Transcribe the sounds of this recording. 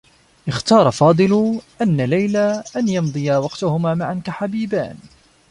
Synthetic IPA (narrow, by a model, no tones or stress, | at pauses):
ʔɪxt̪ɑːɾˤɑfɑːd̪ˤɨlʊʔanːalajlaʔanjɑmd̪ˤɨjawɑqt̪ʊhʊmaːmaʕankaħabiːba̰ːn